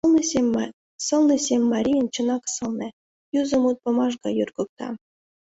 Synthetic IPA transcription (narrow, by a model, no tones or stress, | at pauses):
sɤ̆lnĕsʲemʲːɑɾʲijənt͡ɕɤ̆nɑksɤ̆lnĕ | juzə̆mut̪̚pɤ̆mɑʒɡɑjurɡɤ̆k̚t̪ɑ̰